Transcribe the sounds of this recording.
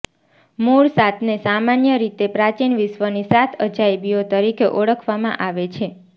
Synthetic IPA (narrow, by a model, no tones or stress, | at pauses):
muɭsat̪ʰnesamanjəɾit̪epɾat͡ʃinʋɪsʋənisat̪ʰəd͡ʒajbiot̪əɾikʰeʔɔɽəkʰʋamã̰ʔaʋet͡ʃʰe